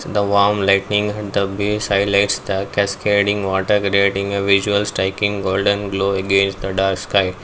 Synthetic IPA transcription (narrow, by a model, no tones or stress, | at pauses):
d̪əʋɔːɾmlaɪʈnɪ̃ŋɡɐd̪əbisaɪlaɪʈsd̪əkɛskleɖɪ̃ŋɡʋɔːʈəɾkɾieːʈɪ̃ŋɡeʋɪʒuəlsʈɾaɪkɪ̃ŋɡoːlɖə̃nɡloːeɡẽːnsʈd̪əɖaːɾkskaɪ